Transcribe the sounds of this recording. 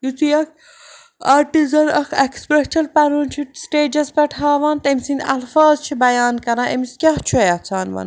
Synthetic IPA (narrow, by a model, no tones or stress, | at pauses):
jut͡sijɐk̚ʰ | aːɾʈizɐɾɐkʰekspɾet͡ʃʰɐlpɐɾunt͡ʃʰisʈeːd͡ʒɐspɐʈʰaːʋaːnt̪ɐmsind̪ɐ̰lfaːzt͡ʃʰibɐjaːnkɐɾãːʔemiskʲɐht͡ʃʰujɐt͡sʰaːnʋɐ̰n